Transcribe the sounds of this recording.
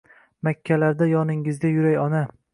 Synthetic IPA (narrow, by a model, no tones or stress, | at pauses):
makʲʰːalaɾd̪ajɒnɪŋɪzɡʲajʊɾajɒna